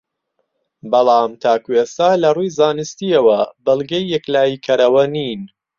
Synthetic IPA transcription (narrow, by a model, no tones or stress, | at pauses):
bɑlˠɑːmt̪ʰaːkuest̪aːlɐrujzaːnɨst̪iɐwɐbɨlˠɡɐjːɛklaːjikʰɐɾɐwɐniːn